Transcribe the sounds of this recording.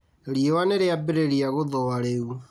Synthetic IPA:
ɾiewaneɾeabeɾeɾiaɣoðɔwaɾeu

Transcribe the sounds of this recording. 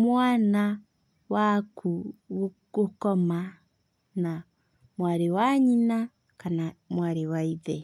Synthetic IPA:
mwaːna | wakuɣo | ɡokɔma | na | mwaɾewaɲina | kanamwaɾewaiðe

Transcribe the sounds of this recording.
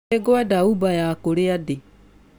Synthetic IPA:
ɛɡoadaubajakoɾeade

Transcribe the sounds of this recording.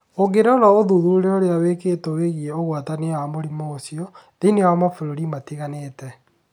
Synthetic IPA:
oɡeɾɔnaoðuðuuɾeoɾeawekeːtoweɣiɛoɣwatanewamoɾimoːsiɔðeinewamafoɾoɾimatiɣanetɛ

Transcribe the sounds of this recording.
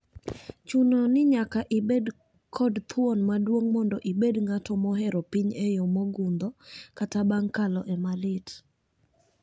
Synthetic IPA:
t͡ʃunonɪɲakaʔibed | kʰɔdt̪ʰwɔnmadwoŋmɔndɔʔibedŋatɔmɔɦɛɾɔpiɲɛjomoɡund̪ɔkatabaŋkalɔʔɛmalɪt

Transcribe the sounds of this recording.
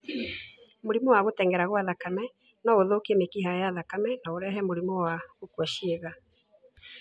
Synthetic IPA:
moɾimɔwaɣotɛŋɡɛɾaɣwaðakamɛ | naoðokemekiɦajaðakamɛnaoɾɛɦɛmoɾimɔwaɣokwɔʃeɣa

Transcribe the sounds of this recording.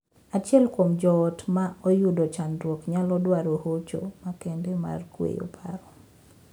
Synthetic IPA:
at͡ʃɛlkomd͡ʒɔːtmaojudot͡ʃandwokɲalɔdwaɾohot͡ʃo̰makɛndɛma̰rkwḛjo̰pʰaɾɔ

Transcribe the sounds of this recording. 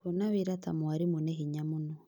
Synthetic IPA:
onaβeɾatamwaɾimuneɦiɲamunɔ

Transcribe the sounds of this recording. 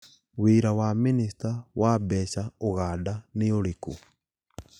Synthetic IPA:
weɾawaminisitawʔabɛɕaoɣaːdaneoɾeko

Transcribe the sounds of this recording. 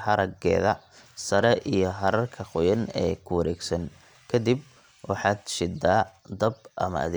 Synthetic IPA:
hɐɾɐɡɛ̰ːðɐsɐɾɛʔijɞɦɐɾɐrkʰɐqʊjɐnɛ̰ːkʰʊwɐɾɛːɡsɐŋ | kʰɐd̪ib | wɑħɑːd̪ʃɪd̪aːd̪ɐb̚ʔɐ̰mɐ̰ɐ̰ðeː

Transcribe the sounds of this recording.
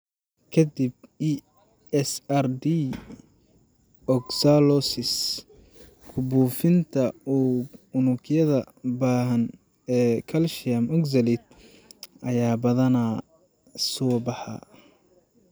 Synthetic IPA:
kʰɐd̪ibi | ɛsɐrd̪i | ɔɡsalɔsɪs | kʰʊbuːfɪnt̪ʰɐuʊnʊɡjɐðɐ | baːɦɐn | ɛːkʰɐlʃɪɐmʊkzɐlid̪̚ | ɐjaːbɐðɐna | sɔːbɑħɑ̰ː

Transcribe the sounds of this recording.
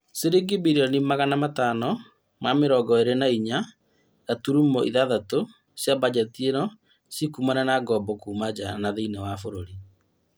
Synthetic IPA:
seɾeɡibiɾiɔnimaɣanamataːnɔ | mameɾɔɡɔeɾenaiɲa | ɣatuɾumɔʔiðaðato | sjaβad͡ʑɛtienɔ | sikumananaɡɔbɔkuːmad͡ʑanaðeinewafoɾoɾi

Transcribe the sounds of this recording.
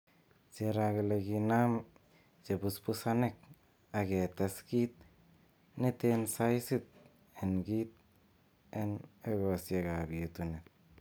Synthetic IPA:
t͡ʃeɾaɡeleɡinam | t͡ʃebuspusanek̚ | aɡet̪eskit̪̚ | nit̪ensajsit̪̚ | enɡit̪̚ | eneɡosjeɡabiet̪unet̪̚

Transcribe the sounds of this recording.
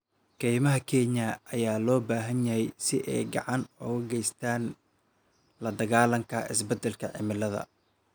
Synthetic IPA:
kʰɛjmɐɦɐkʰɛːɲɐʔɐjaːlɔːbaːɦɐnjɐhɛjsɪʔɛ̰jɡɑ̰ʕɑnɔɣɐɡɛjst̪ʰaːn | lɐd̪ɐɣaːlɐŋkʰɐʔɪsbɛd̪ɛlkʰɐʕɪ̰mɪlɐðɐ̰

